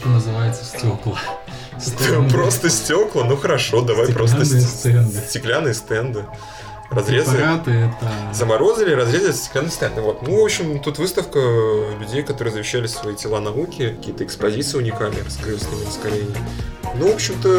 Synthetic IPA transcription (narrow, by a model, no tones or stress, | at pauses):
t̪onəzɨvajɪt̪səsʲtʲoklˠə | stʲpɾo̞st̪əsʲtʲo̞klˠənuxəɾɐʂo̞d̪ɐvajpɾo̞st̪əsʲsɛnd̪sʲtʲɪklʲanːɨjəst̪ɛnd̪ɨ | rɐzɾʲezat̪ɨjt̪əzəmɐɾo̞zəlʲɪɾɐzɾʲe̞zəlɪsʲtʲɪ̥klʲanːɨjst̪ɛnd̪ɨvo̞t̪nuvo̞pɕːɪmt̪ut̪vɨst̪əfkəlʲʉdʲejkɐt̪o̞ɾɨjəzəvʲɪɕːælʲɪsvɐitʲɪlˠanɐukʲɪkɐ̥kʲijət̪əɪkspɐzʲit̪sɨʊnʲɪkalʲnəskɾɨfskʲəmʲɪnəskɐlʲenʲɪjnuvo̞pɕːɪmt̪ə